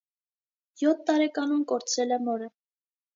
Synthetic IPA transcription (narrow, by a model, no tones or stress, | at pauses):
jɔt̪ʰːɑɾɛkɑnumkɔɾt͡sʰɾɛlɛmɔɾə